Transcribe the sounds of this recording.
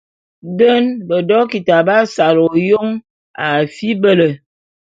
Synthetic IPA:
də˦nbə˨dɔ˦ki˨ta˨ba˦sa˨lo˨jo˦ŋ | a˨fi˦bə˦lə˨

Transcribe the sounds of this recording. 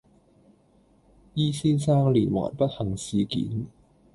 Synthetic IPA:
jiː˥siː˥nsaː˥ŋliː˨˩nwɔ̰ː˨˩npɐ˥t̚hɐ˨˩ŋsiː˨kḭː˨˦˥n

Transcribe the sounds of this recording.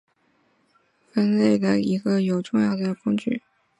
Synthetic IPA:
fə˥nle˥˩ɪd̪ə̰˩i˧˥ɡə˧jo˨˩ʊʈ͡ʂʊ˥˧ŋjɑ˥˩ʊd̪ə˨˩kʊ˥ŋt͡ɕy̰˥˩

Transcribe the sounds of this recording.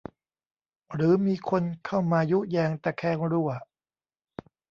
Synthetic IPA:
ɾɯː˨˦miː˧kʰo˧nkʰa˥˩wmaː˧ju˦˥jɛː˧ŋt̪ɛː˧˩kʰɛː˥˩˨ŋɾu˥˩ɐ

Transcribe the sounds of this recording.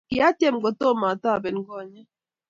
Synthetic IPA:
ki˨a˦te˦˨m̩˨ɡo˨to˦ma˨tɔ˦a˨bɛ˨n˦ɡɔ˦˨ɲa˦

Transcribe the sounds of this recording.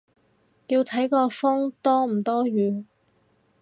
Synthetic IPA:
ji˧wt̪ʰɐ˨˥jkɔː˧fɔ˥ŋt̪ɔː˥m̩˨˩t̪ɔː˥jyː˨˧

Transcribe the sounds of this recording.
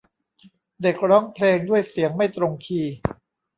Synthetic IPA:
de˨˩k̚ɾɔː˦˥ŋpʰleː˧ŋdu˥˩əjsi˩˦əŋma˥˩jt̪ɾo˧ŋkʰiː˧

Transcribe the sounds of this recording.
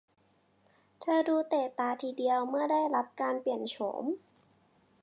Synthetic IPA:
t̪ʰɤː˧duː˧t̪eː˨˩t̪aː˧t̪ʰiː˧di˧əwmɯ˥˩ɐdaː˥˩jɾa˦˥p̚kaː˧npli˨˩ənt͡ɕʰo̰˩˦m

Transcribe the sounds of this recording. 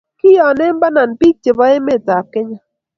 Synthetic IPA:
kɪ˦jɔ˨nɛ˦m˦ba˦na˨npi˦k̚t͡ʃe˨bɔ˦e˦me˦˨ta˨p̚kɪ˦ɲa˦

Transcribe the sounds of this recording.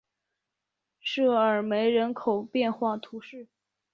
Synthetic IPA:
ʂɤ˥˩ə˞˨˩me˧˥ɪɻə˧˥nkʰo˨˩ʊpjɛ˥˧nxwa˥˩t̪ʰu˧˥ʂɻ̩˥˩

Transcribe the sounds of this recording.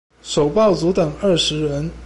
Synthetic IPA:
ʂo˨˩ʊpɑ˥˩ʊt͡su˧˥t̪ɤ˨˩ŋə˥˩ʂɻ̩˧˥ɻə˧˥n

